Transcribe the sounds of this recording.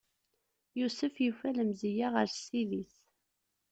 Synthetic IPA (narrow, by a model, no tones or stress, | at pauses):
jusəfjufæləmzijaʁəɾsiðiθ